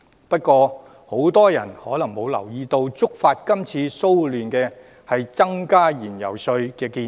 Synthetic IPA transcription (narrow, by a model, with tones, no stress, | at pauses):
pɐ˥t̚kʷɔː˧ | ho˨˥wt̪ɔː˥jɐ̰˨˩nhɔː˨˥lɐ˨˩ŋmo˨˧wlɐ̰˨˩wjiː˧t̪o˧wt͡sʊ˥k̚faː˧t̚kɐ˥mt͡sʰiː˧so˥wlyː˨nkɛː˧ | hɐ˨jt͡sɐ˥ŋkaː˥jiː˨˩njɐ̰˨˩wsɵ˧ɥkɛː˧kiː˧